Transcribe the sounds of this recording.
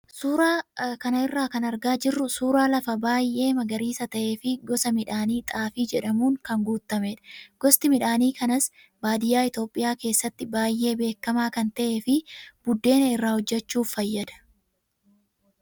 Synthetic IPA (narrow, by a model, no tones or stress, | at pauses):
suːɾaːkɐnɐɪrːaːkɐnɐɾɡaːd͡ʒɪrːʊsuːɾaːlɐfɐbaːjʔe̞ːmɐɡɐɾiːsɐt̪ɐʔe̞ːfɪɡɔsɐmɪᶑaːniːt̪ʼaːfiːd͡ʒɛᶑɐmuːŋkɐŋɡuːt̪ːɐmeːᶑɐ̥ɡ̥ɔst̪ɪmɪᶑaːniːkɐnɐs | baːd̪ɪjaːɪt̪o̞ːpʼːɪjaːkeːsːɐt̪ːɪbaːjʔe̞ːbe̞ːkːɐmaːkɐnt̪ɐʔeːfɪb̥ʊd̪ːe̞ːnɐɪrːaːhɔd͡ʒːɛt͡ʃːuːfːɐjːɐd̪ɐ̥